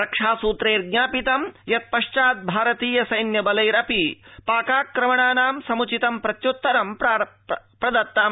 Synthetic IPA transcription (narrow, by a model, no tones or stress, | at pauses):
ɾɐkʂaːsuːt̪ɾeːɾɡɲaːpit̪ɐmjɐt̪̚pɐʃt͡ʃaːt̪̚bʱaːɾɐt̪iːjɐsɐjnjɐbɐlɐjɾɐpipaːkaːkːɾɐmɐɳaːnaːmsɐmut͡ʃit̪ɐmpɾɐt̪jut̪ːɐɾɐmp | pɾɐd̪ɐt̪ːaːm